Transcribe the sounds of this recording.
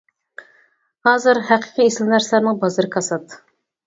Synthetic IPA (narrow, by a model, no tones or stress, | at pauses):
hɑːzɨɾhæqʰə̥qʰieslnæɾslæɾnɪŋbɑzɨɾɨkʰɑsɑt̪